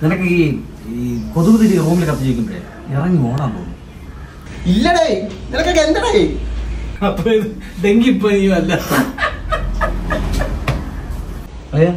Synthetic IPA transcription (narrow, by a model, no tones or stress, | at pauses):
ninɐkːɨiː | ipoðubɐðiɾiruːmilekɐt̪ːɐt͡ɕeʋikʲːumpɐjḛ | erɐŋɡimoːɳaːmpo̰ːṵnːu | ilːɐɽeninɐkːɨkend̪ɐɽe | ɐpːoːiðɖeŋɡipːoːijuɐlːa | ɐja